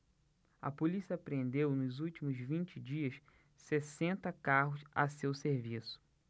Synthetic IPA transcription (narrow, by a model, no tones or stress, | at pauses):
ɐ̰polisiɐpɾẽnd̪ewnʊzuwt͡ʃimʊzvĩnt͡ʃɪd͡ʒiɐs | sesẽnt̪ɐkaɦʊsɐ̰sewseɾvisʊ̥